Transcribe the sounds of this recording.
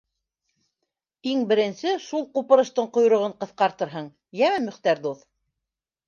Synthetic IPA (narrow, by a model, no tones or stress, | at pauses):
iŋbɘ̆ɾɘ̆nsɘʃulˠqupɤ̆ɾɤ̆ʃt̪ɤɴqŏjɾŏʁɤɴqɤ̆θqɑɾt̪ɤ̆ɾɦɤɴ | jæmæmɵ̆χt̪æɾd̪uθ